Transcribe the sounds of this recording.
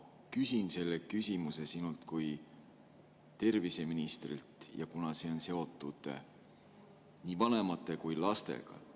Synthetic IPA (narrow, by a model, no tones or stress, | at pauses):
kysʲinse̞lːekysʲimuse̞sinult̪kuj | t̪e̞rvise̞minist̪rḭlt̪jɑ̰kunɑseonse̞o̞t̪ːˑud̪̥ˑḛ | niːvɑne̞mɑt̪ːˑe̞kujlɑst̪e̞̰ɡ̥ɑ̰